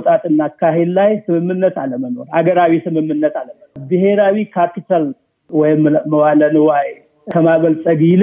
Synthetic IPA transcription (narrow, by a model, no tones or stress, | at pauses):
t̪ʼat̪ʼɨnːakʰːaɦellajsɨmɨmːɨnːət̪ʰaləməno̞̰ɾhaɡəɾawisɨmɨmːɨnːət̪aləmənobɨhe̞ɾawikʰapʰit̪ʰal | wɔjɪmːməwalənɨwaj | kʰəmaβəlsʼəɡjɪl